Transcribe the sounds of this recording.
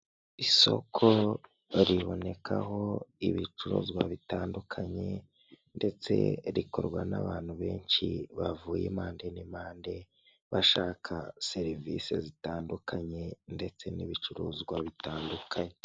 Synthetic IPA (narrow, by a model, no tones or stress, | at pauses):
iso̞̰kʰo | ɾiβo̞ne̞kʰaho̞iβit͡ʃuɾuːzɡwaβitaːndukʰaɲe̞ | nde̞t͡se̞̰ɾikoɾɡwanaβaːn̥huβe̞ːɲʃiβavuːjemaːnde̞nimaːnde̞ | βaʃaːkʰase̞ɾivisḛzitaːndukʰaɲe̞nde̞t͡se̞niβit͡ʃuɾuːzɡwaβitaːndukʰaɲe